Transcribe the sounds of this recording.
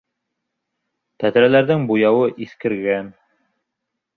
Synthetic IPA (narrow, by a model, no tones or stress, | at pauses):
t̪æt̪ɾælæɾðɘŋbujɑwɤʔiθkɘ̆ɾɡæn